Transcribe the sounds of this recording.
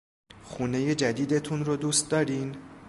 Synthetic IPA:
xuːne̞je̞d͡ʒæd̪iːd̪e̞t̪ʰunɾod̪uːst̪̚d̪ɒːɾiːn

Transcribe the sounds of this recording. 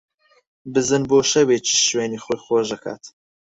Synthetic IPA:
bɨzɨnboːʃɐwet͡ʃʰi̥ʃweːniːxoːjχoːʒɐkʰa̰ːt̪

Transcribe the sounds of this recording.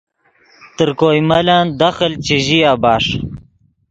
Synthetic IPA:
t̪əɾkoːjmaland̪ɐxəlt͡ɕiʑiabaːʂ

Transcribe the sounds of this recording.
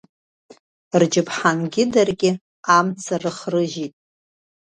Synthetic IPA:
rd͡ʒɪpʰħanɡʲɪdarɡʲɪ | amt͡sʰarɨχrɨʒitʼ

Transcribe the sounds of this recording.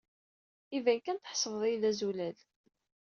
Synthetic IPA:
ivænkænt̪əħsˤəvðˤijlːæzulæl

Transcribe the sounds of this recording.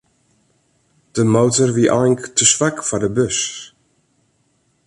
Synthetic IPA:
d̥əmowtərʋiʔa̰lɪŋktəsʋakfɔrdəbøs

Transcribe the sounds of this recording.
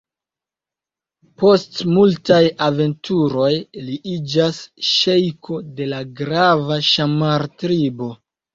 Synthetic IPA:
po̞stmultajave̞ntʰuɾo̞jliʔid͡ʒasʃe̞jkʰo̞de̞laɡɾavaʃamaɾtɾibo̞

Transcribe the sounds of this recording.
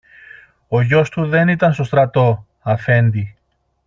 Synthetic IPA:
o̞ʝo̞st̪uðe̞nit̪ɐnst̪ost̪ɾɐt̪o̞ | ɐfe̞nd̪i

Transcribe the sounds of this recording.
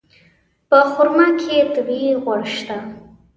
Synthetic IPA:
pəχʊɾmakʰet̪əbiʁwaɽʃt̪a

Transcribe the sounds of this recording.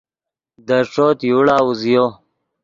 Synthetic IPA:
d̪əʂoːt̪juːɽaːuzijo

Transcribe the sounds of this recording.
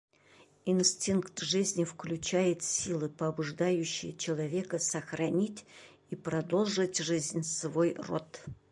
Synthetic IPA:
insʲtʲinkt̪ʐɨzʲnʲɪfklʲʉt͡ɕæjɪt̪sʲilˠɨpəɐbʊʐd̪ajʉɕːɪ̰jət͡ɕɪlˠɐvʲe̞kəsəxɾɐnʲitʲ | ipɾɐd̪o̞lˠʐɨtʲʐɨzʲnʲsvojro̰t̪

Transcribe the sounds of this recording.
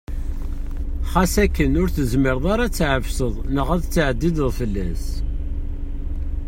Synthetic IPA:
χæsækːənʊɾθəzməɾðˤɑɾat͡sːʕəvsəðˤnəʁæðt͡sːʕəd̪ːiðəðˤfəlːæs

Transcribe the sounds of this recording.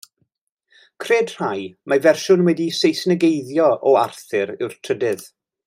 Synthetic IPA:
kʰreːdr̥ajmavɛrʃʊnwɛdisejsnəɡejðjɔʔɔarθɨɾɪwr̥tʰrədɨð

